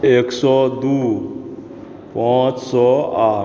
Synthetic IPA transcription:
eksɔd̪u | pãːt͡ʃsɔaː

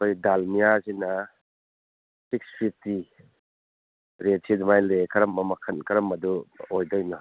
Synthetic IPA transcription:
kojdalmijazinɐ | sik̚spʰip̚ʰti | ɾet̚sidumajlekʰɐɾɐmɐmɐkʰɐnkʰɐɾɐmɐduojdɔjnɔ

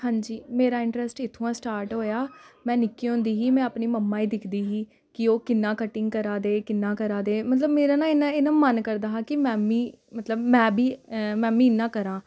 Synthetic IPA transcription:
hãːɲd͡ʒiːmeːɾaːɪ̃ɳʈɾɛsʈɪt̪ʰːõãːsʈaːɾʈɦoːjaːmɛ̃ːnɪkːiːɦõːnd̪iːɦiːmɛ̃ːəpniːməmːaːiːd̪ɪkʰd̪iːɦiː | kɪoːkɪnːãːkəʈːɪ̃ŋɡ̚kəɾaːd̪eːkɪnːãːkəɾaːd̪eːmət̪ləbmeːɾaːnãːɪnãːɪnãːmənkəɾd̪aːɦãːkɪmɛ̃ːmiː | mət̪ləbmɛ̃ːbʱiːmɛ̃ːmĩːɪnːãːkəɾãː

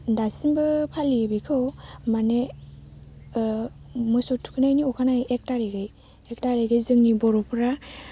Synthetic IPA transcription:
dasinbɯpʰalibikʰɯwmane | mɯsɔtʰu̥kʰɯnajniɔkʰanajek̚taɾiɡɯj | ek̚taɾeɡɯjzɯŋnibɔɾɔpʰɾa

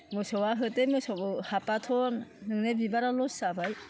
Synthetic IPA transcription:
mɯsɔwaɦɯtemɯsɔwbɯhapatʰɔnːɯŋnebibaɾalɔssabaj

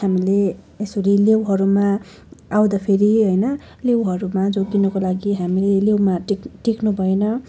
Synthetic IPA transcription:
ɦamile | esuɾilewɦʌɾuma | awd̪apʰeɾiɦʌjnʌ | lewɦʌɾumad͡zokinʌkolaɡiɦamilelewmakʈiknubʱʌenʌ

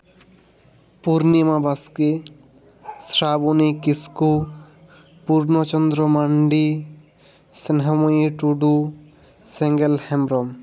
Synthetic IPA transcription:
puɾnimabaske | sɾabunikisku | puɾnot͡ɕɔnd̪ɾomaɳɖi | senɦɔmojiʈuɖu | sɛŋɡelhɛmɾɔm

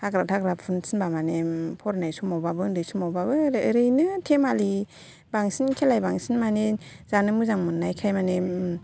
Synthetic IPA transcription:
haɡɾatʰaɡɾapʰunsɯnbamanepʰɔɾnajsumɔwbabɯdɯjsumɔwbabɯɾɾɯjnɯtʰemali | baŋsinkʰelajbaŋsinmanezanɯmuzaŋmɯnːajkʰajmane

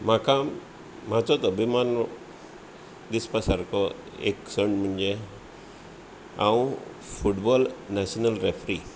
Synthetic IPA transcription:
m̤akam | m̤at͡sɔt̪ɔbimanɔ | d̪ispasaɾkɔ | ḛksəɳɖm̤əɳd͡ʑe | ã̰ũ | fʰuʈbɔlnasnəlɾefɾi

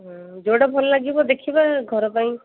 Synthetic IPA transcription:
d͡ʒoɽabʱɔlɔlaɡibɔd̪ekʰibaɡʱɔɾɔpaj̃

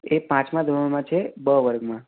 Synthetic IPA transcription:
epãt͡ʃmãd̪ʱə̃mãt͡ʃʰebəʋəɾɡmã

